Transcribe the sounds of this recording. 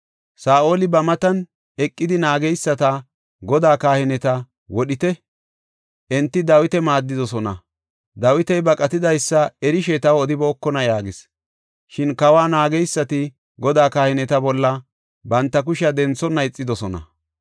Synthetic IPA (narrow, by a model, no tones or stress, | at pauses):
saːʔoːlɪbɐmɐt̪ɐn | ɛkʼːɪd̪ɪnaːɡɛjsːɐt̪ɐ | ɡɔd̪aːkaːhɪnɛt̪ɐ | wɔɗɪt̪ɛ | ʔɛnt̪ːɪd̪ɐwɪt̪ɛmaːd̪ːɪd̪ɔsɔnɐ̰ | d̪ɐwɪt̪ɛjbɐkʼɐt̪ɪd̪ɐjsːɐɛɾɪʃɛt̪ɐwɔd̪ɪboːkːɔnɐjaːɡɪs | ʃɪnkɐwaːnaːɡɛjsːɐt̪ɪ | ɡɔd̪aːkaːhɪnɛt̪ɐbɔlːɐ | bɐnt̪ːɐk̬ʊʃɐd̪ɛnt͡sːɔnɐɪt͡sʼːɪd̪ɔsɔnɐ̰